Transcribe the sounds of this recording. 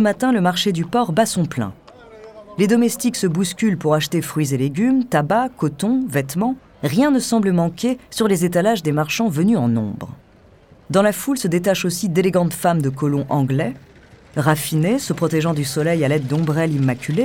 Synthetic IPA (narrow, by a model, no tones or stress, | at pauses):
səmat̪ɛ̃ləmaʁʃed̪ypɔʁbasɔ̃plɛ̰̃ | led̪ɔmɛst̪iksəbuskʲylpuʁaʃt̪efχɥizeleɡʲymt̪abakɔt̪ɔ̃vɛt̪mɑ̃ | ʁjɛ̃nəsɑ̃bləmɑ̃kʲesyʁlezet̪alaʒd̪emaʁʃɑ̃vənyɑ̃nɔ̰̃bʁ | d̪ɑ̃lafulsəd̪et̪aʃosid̪eleɡɑ̃d̪famd̪əkɔlɔ̃ʔɑ̃ɡlɛ | ʁafinesəpχɔt̪ɛʒɑ̃d̪ysɔlɛjalɛd̪̚ːɔ̃bʁɛlimakʲyle